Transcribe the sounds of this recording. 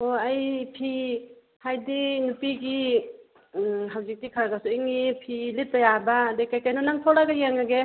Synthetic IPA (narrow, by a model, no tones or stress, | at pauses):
oajpʰi | hajdinupiɡi | ɦawzik̚tikʰaɾaɡasuiŋːipʰilit̚ːajabadekajkajnɔnaŋtʰɔɾaɡajeŋaɡe